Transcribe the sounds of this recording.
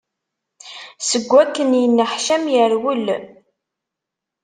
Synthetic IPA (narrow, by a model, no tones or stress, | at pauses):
səɡʷːækːənjənːəħʃæmjəɾwəl